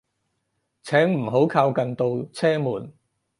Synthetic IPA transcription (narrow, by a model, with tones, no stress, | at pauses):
t͡sʰɛː˨˥ŋm̩˨˩ɦo˨˥wkʰaː˧wkɐ˨nt̪o˨˧wt͡sʰɛː˥muː˨˩n